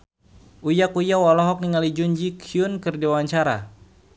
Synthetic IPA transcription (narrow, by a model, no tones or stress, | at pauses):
ʔujakujawalɔɦɔk̚niŋalid͡ʒuɲd͡ʒikʰiunkərdiawaɲt͡ʃaɾa̰